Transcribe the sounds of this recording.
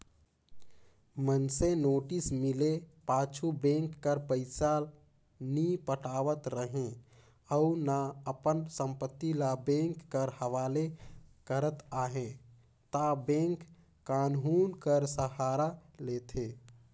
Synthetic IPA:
mənsenoːʈismɪlepaːt͡ʃʰubẽŋkːəɾpəɪsaːl | nipəʈaːʋət̪ɾəɦẽ | əunaəpənsə̃mpət̪ːilabẽŋkːəɾhəʋaːlekəɾət̪aːɦẽ | t̪abẽŋk | kaːnɦunkəɾsəɦaːɾalet̪ʰe

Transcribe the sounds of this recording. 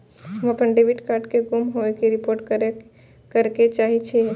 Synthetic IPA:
ɦəməpənɖebiʈkaɾɖkeɡomɦoekeɾipoɾʈ̚kəɾe | kəɾket͡ʃaɦit͡ʃʰɛ

